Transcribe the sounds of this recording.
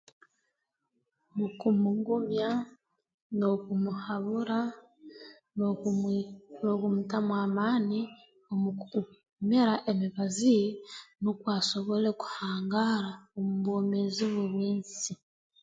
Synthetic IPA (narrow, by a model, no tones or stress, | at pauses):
mukumuŋɡumja | nokumuhaβuɾa | no | nokumutamwaːmaːni | omuu | meɾaʔemiβazijenokwaːso̞βo̞le̞ku̥haːŋɡaɾaomuβoːmeziβuβwiːnsi